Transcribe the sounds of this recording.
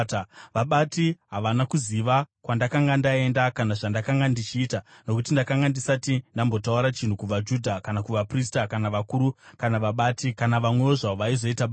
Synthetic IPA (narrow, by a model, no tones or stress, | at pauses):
tʋaɓatiɦaʋanakuziʋakwandakaŋɡandae̞ndakanaʐandakaŋɡandit͡ʃiːtano̞kutindakaŋɡandisatindambo̞tauɾat͡ʃin̤ukuʋad͡ʒudʱakanakuʋapristakanaʋakuɾukanaʋaɓatikanaʋamwe̞ʋo̞ʐaoʋaizo̞itaɓa